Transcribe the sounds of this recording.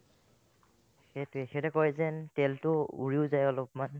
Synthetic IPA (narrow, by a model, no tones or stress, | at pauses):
xetexɛɹɛkɔjzɛntɛltʊṵɹiʊzajɔlɔpman